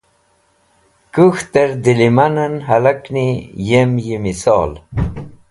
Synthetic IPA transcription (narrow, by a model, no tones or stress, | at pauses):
kuxt̪eɾd̪ilimanɐnɦɐlaknijemjimisɑ̰ːl